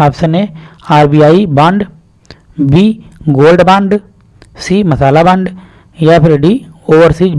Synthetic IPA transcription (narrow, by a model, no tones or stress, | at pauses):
aːpsənẽːaːɾbiːaːibãɳɖ | biːɡoːlɖbãɳɖ | siːməsaːlaːbɐ̃ɳɖ | jaːpʰɪɾɖiːoːʋəɾsiːd͡ʒ